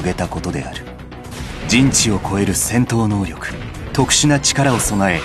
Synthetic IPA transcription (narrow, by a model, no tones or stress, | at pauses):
ɡe̞t̪ako̞t̪o̞d̪e̞̰a̰ɾɯ̟ | d͡ʑĩɲ̟t͡ɕio̞kʰo̞e̞ɾɯ̟sẽ̞nt̪o̞ːno̞ːɾʲo̞kɯ̥t̪o̞kɯ̟̥ɕinat͡ɕi̥kaɾao̞so̞nae̞